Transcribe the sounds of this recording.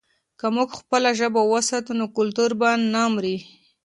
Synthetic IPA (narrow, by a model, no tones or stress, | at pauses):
kamuɡxpəlaʒəbawəsɑt̪unokʊlt̪uɾbanːamɾi